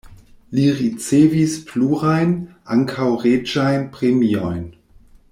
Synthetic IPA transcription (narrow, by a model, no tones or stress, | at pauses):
liɾit͡sevispluɾajnʔaŋkʰawʁed͡ʒajnpɾemiojn